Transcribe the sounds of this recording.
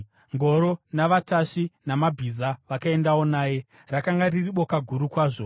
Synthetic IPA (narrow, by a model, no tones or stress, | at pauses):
ŋɡo̞ɾo̞naʋataʂinamabʱizaʋakae̞ndawo̞naːje̞ | rakaŋɡaririɓo̞kaɡʱuɾukwaːʐo̞